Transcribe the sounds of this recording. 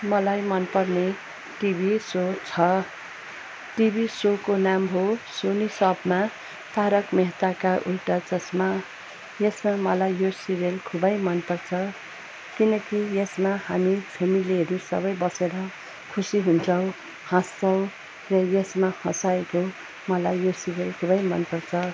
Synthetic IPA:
mʌlajmʌnpʌrne | ʈibʱisot͡sʰʌ | ʈibʱisokonamɦosonisʌbma | t̪ʰaɾʌkmeɦt̪akaʔulʈʌd͡zʌsma | jesmamʌlajːosiɾelkʰubʌjmʌnpʌrt͡sʰʌ | kinʌkijesmahamipʰemiliɦʌɾusʌ̰bʌjbʌseɾʌ | kʰusiɦunt͡sʰʌw̃ | hãst͡sʰʌw̃ | rʌjesmahʌ̃saeko | mʌlajːosiɾelkʰubʌjmʌnpʌrt͡sʰʌ

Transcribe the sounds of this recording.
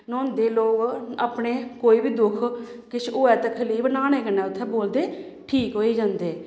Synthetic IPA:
nɔ̃ːnd̪eːloːkaːpɳeːkoːiːbiːd̪ʊkʰkɪt͡ʃʰoːɛːt̪ekʰəliːbnaːñeːkənːɛːʊt̪ʰːɛ̃ːboːld̪eː | ʈʰiːkɦoːiːd͡ʒãːnd̪eː

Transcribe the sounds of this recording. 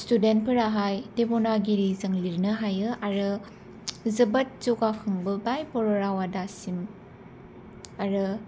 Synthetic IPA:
student̚pʰɯɾaɦajdepɔnaɡiɾizɯŋliɾnɯɦajɯaɾɯ | zɯbɐt̚zukakʰɯŋbɯbajpɔɾɔɾawadasim | aɾɯ

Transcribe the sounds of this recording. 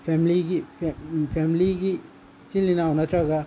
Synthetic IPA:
pʰemliɡipʰpʰemliɡi | t͡ʃinːinawnatɾaɡa

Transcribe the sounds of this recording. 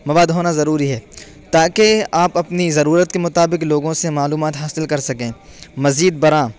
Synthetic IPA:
mɐʋaːd̪ɦoːnazɐɾuːɾiɦɛː | t̪aːkeaːpɐpnizɐɾuːɾət̪̚kemʊt̪aːbɪkloːɡõsemaːluːmaːt̪ɦaːsɪlkɐɾsɐkẽːmɐziːd̪̚bɐɾãː

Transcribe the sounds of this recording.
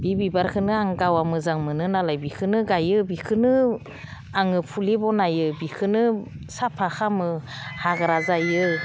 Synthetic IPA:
b̥ibibaɾkʰɯnɯaŋɡawamɯzaŋmɯnɯnalajbikʰɯnɯɡajɯbikʰɯnɯ | aŋɯpʰulebɔnajɯbikʰɯnɯ | sapʰaxʰamɯ | haɡaɾazajɯ

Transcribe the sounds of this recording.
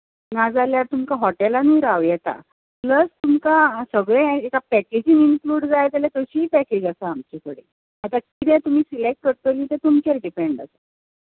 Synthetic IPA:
nad͡zaljaɾt̪umkaɦɔʈelaniːɾawjɛt̪a̰ | pləst̪umkasəɡɭẽekapæked͡ʑiŋinkluːɖd͡zajt̪alet̪əɕipɛked͡ʑasaːmt͡ɕikəɽḛ | at̪akit̪ɛ̃t̪um̤iːsilek̚ʈ̚kəɾt̪əliːt̪et̪umkeɾɖipeɳɖasa

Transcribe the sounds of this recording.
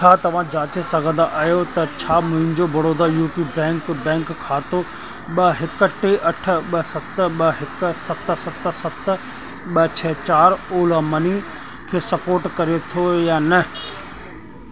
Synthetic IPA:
t͡ɕʰaːt̪ɐʋ̤ãd͡ʑaːt͡ɕesɐɡʱə̃nd̪aʔaːjot̪ɐt͡ɕʰaːmʊ̃ɦɪ̃ɲd͡ʑobɐɽoːd̪ajuːpibɛ̃ːŋkbɛ̃ːŋkkʰːaːt̪o | ɓɐɦɪkəʈeʔɐʈ̆ʰɓɐsɐt̪ɓɐɦɪksɐt̪sɐt̪sɐt̪ | ɓɐt͡ɕʰɛːt͡ɕaːɾoːlamɐni | kʰeːsɐpoːɾʈkɐɾet̪ʰojaːnɐ

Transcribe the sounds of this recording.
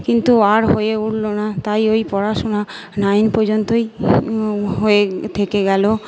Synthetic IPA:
kint̪uaɾɦojeuɽlonat̪ajojpɔɾaʃona | najnpoɾd͡ʑont̪oj | ɦoet̪ʰekeɡɛlo

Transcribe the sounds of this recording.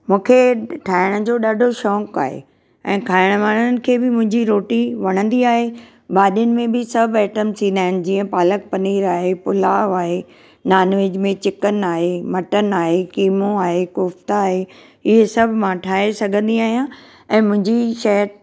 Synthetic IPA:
mũːkʰeʈʰaːɪɽ̃d͡ʑoːɗaːɖʱoʃɔːka̰ːɦḛ | ɛ̃ːkʰaːɪɽ̃ʋaːnənɪ̆kʰeːbɪmʊ̃ɦɪ̃ɲd͡ʑiɾoːʈiʋɐɽ̃ə̃nd̪iaːɦe | ɓaːɗjənɪ̆mẽbɪsɐbʱɛːʈəmt̪ʰĩːnd̪aːɪɽ̃d͡ʑiːə̃paːlək̚pɐniːɾaːɦepʊlaːʋaːɦe | naːnʋeːd͡ʑmẽt͡ɕɪkənaːɦemɐʈənaːɦekiːmõaːɦekʊft̪aaːɦe | ɪɦesɐbʱmãʈʰaːɦesɐɡʱə̃nd̪iaːɦijã | ɛ̃ːmʊ̃ɦɪ̃ɲd͡ʑiʃɐɦəɾ

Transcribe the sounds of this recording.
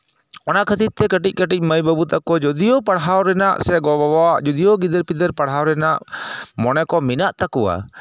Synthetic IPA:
ɔnaʔkʰət̪it̪̚t̪ːɛkəʈic̚ˀkəʈic̚ˀməjbəbut̪akɔd͡ʒɔd̪ijɔpaɽɦawɾɛnaʔsɛɡɔbabaaʔd͡ʒɔd̪ijɔɡid̪əɾpid̪əɾpaɽɦawɾɛnaʔmɔnɛkɔminaʔt̪akɔwa̰

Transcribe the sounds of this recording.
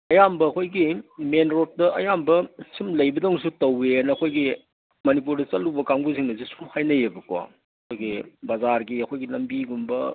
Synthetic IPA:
ɐjambɐːkʰojɡimenɾot̚dɐʔɐjambɐsimlɐjbɐdowŋs̬utɐwenɐɐkʰojɡi | mɐnipuɾdɐt͡ʃɐlubɐkaŋɡuz̬iŋnɐzisumhajnɐjebɐkwa̰ | ɐkʰojɡibɐzaɾɡiɐkʰojɡinɐmbiɡumbɐ

